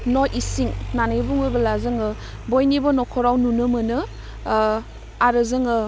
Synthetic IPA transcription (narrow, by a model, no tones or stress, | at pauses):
nɔʔisiŋnanɯjbuŋojbɐlazɯŋɯ | bojnibɔnɔkʰɔɾawnunɯmɯnɯ | aɾɯzɯŋɯ